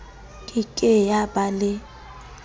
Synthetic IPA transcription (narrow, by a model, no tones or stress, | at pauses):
kʼɪkʼɛjabalɪ